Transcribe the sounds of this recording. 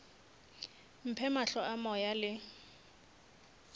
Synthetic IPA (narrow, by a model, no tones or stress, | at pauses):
m̩pʰɛmaɬɔʔamɔjalɪ